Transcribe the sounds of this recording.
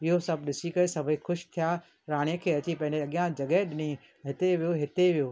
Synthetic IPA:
ɪɦosɐbʱɗɪsikɐesɐbʱixʊʃt̪ʰija | ɾaːɽ̃ijəkʰeːɐt͡ɕipɐ̃ɦɪ̃ɲd͡ʑeɐɠjãd͡ʑɐɡəɦɗɪnĩ | ɦɪt̪eʋijoɦɪt̪eʋijoː

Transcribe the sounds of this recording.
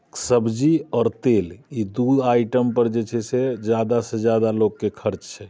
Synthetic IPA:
səbd͡ʒiɔːɾt̪elid̪ud̪ajʈəmpəɾd͡ʒet͡ʃʰɛsed͡ʒjad̪asẽd͡ʒjad̪alokːekʰəɾt͡ʃt͡ʃʰɛ

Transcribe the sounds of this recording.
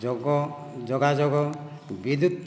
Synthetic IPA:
ɔɡɔ | d͡ʒɔɡad͡ʒɔɡɔ | bid̪ut̪ː

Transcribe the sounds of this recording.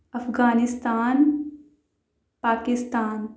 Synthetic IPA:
ɐfɡaːnɪst̪aːn | paːkɪst̪aːn

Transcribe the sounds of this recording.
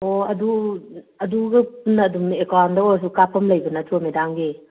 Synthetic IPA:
oɐdu | ɐduɡɐpunːɐːdumekawndawɐs̬ukapʰɐmlɐjbɐnɐtʰomedaŋɡe

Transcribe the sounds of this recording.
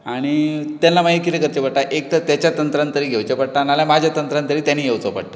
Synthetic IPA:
aɽ̃it̪anlːamaikit̪ekəɾt͡ɕepəɽʈ̪aʔek̚t̪ət̪jat͡ɕjat̪ənt̪ɾant̪əɾiːɡʱewt͡ɕepəɽʈ̪analjamad͡ʑʱjat̪ənt̪ɾant̪əɾiːt̪janiːɡʱewt͡sopə̰ɽʈ̪ə

